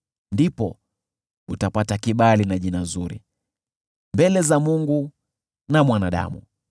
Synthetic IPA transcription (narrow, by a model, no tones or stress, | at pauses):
ndipɔ | utapatakiɓalinaʄinazuɾḭ | mbɛlɛzamuŋɡu | namwanaɗa̰mṵ